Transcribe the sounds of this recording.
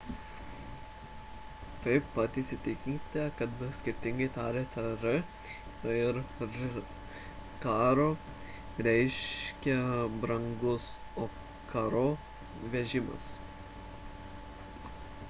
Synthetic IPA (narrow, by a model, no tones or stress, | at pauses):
t̪ɐɪpːɐt̪iːsʲɪt̪ʲɪkʲiːt̪ʲɛkɐt̪sʲkʲɪɾʲt̪ʲɪŋɡɐɪt̪ɑːɾʲeːt̪ɐɾɪ | ɪɾ | kɑːɾoː | ɾʲɛɪʃʲkʲɛbɾɐŋɡʊs | oː | kʰɐɾoː | ʋʲɛʒʲɪmɐ̰s